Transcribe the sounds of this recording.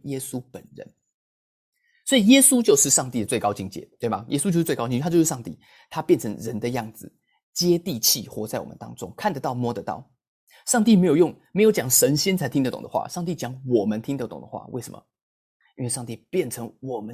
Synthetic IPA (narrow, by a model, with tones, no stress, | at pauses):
jɛ˦˥su˦˥pə˨˩nɻə̰˧˦n | swɔ˧˥i˨jɛ˥su˥t͡ɕjo˥˧ʊʂɻ̩˥˧ʂɑ˥˧ŋt̪i˥˩ə˩t͡swe˥˩ɪkɑ˥ʊt͡ɕʰi˥˩ŋt͡ɕjɛ̰˧˥˦t̪we˥˩ɪmɐ˩jʔɛ̰˥su˥t͡ɕjʂ̩˥t͡swkt͡ɕi˥˧a˥t͡ɕo˥˧ʊʂ̩˥ʂɑ˥˧ŋt̪ḭ˥˩ | t̪ʰa˥pjɛ˥˩nʈ͡ʂʰɤ˧˦˥ŋɻə˧˥nd̪ə˧jɑ˥˩ŋd͡zɹ̩˩ | t͡ɕjɛ˥t̪i˥˧t͡ɕʰi˥˩xwɔ˧˥t͡sa˥˩ɪwɔ̰˨˩mə˦nt̪ɑ̰˥ŋʈ͡ʂʊ̰˥ŋkʰa˥˩nd̪ə˩t̪ɑ˥˩ʊmwɔ˥t̪ə˧˦t̪ɑ˥˩ʊ | ʂɑ˥˧ŋt̪i˥˩me˧˥ɪjo˨˩ʊjʊ˥˩ŋme˧˥ɪjo˧˥ʊt͡ɕjɑ˨˩ŋʂə˧˦nɕɛ˥nt͡sʰa˧˥ɪi˦ŋd̪ə˨t̪ʊ̰˨˩ŋdə˦xwa̰˥˩ʂɑ˥˧ŋt̪i˥˩t͡ɕjɑ˨˧˥ŋwɔ˨˩mə˦nt̪ʰi˥ŋd̪ə˨˩t̪ʊ̰˨˩ŋd̪ə˦xwa̰˥˧we˥˩ɪʂə˧˦mɐ̰˨˦ | i˥nwe˥˧ɪʂɑ˥˧ŋt̪i˥˩pjɛ˥˩nʈ͡ʂʰɤ˧˦ŋwɔ˨˩mə˦